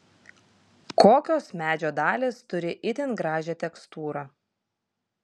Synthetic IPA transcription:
koːkʲoːsmʲæːd͡ʒʲoːd̪ɑːlʲeːst̪ʊɾʲɪʔɪt̪ʲɪnɡɾɑːʒʲɛːt̪ʲɛkst̪uːɾɑ

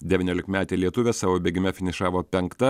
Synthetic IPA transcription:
d̪ʲɛʋʲiːnʲoːlʲɪkmʲæːt̪ʲɛɪlʲiɛt̪ʊʋʲeːsɑːʋoːbʲeːɡʲɪmʲɛfʲɪnʲɪʃɑːʋoːpʲɛŋkt̪ɐ

